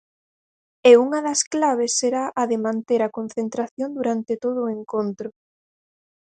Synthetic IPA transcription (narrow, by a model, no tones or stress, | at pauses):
euŋɐðɐsklaβ̞esːeɾaʔɐðemãnt̪eɾɐkon̟θent̪ɾaθjond̪uɾant̪et̪oð̞ʊeŋkont̪ɾʊ